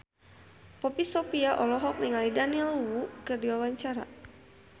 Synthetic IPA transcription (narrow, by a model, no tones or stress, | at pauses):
pɔpisɔpiaʔɔlɔɦɔk̚niŋalidaniɛluwukərdiwawaɲt͡ʃaɾa̰